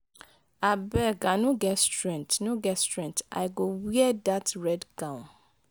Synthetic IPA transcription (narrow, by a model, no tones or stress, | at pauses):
abɛɡanũɡɛtstɹɛ̃ntnũɡɛtstɹɛ̃nta̰ɪɡowiɛdatɹɛdɡãʊ̃n